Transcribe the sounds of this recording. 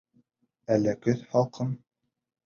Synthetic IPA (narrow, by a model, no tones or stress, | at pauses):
ælːækɵθhɑlˠqʰɤn